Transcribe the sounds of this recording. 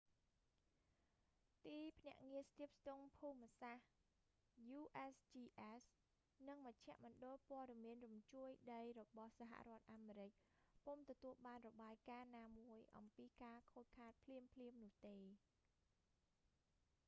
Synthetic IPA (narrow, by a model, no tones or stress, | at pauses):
t̪iːpʰnɛ̆əʔŋiəst̪iəp̚st̪uŋpʰuːmːəsah | juːʔest͡ɕiːʔɛs | nɨŋməc̚t͡ɕʰɛ̆əʔmɔ̆ənɗolpoəɗɑmiənrumt͡ɕuəjɗəjrɔɓɑhsaɦa̰ʔrŏət̪̚ʔaːmeːɾɨc̚ | pomt̪ɔt̪uəlɓaːnrɔɓaːjkaːnaːmuəjʔɑ̰mpiːkaːkʰoːt̚kʰaːt̪̚pʰliəmpʰliəmnʊ̆əht̪eː